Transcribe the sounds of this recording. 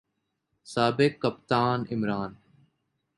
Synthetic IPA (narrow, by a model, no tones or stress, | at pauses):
saːbɪkːəpt̪aːnɪmɾaːn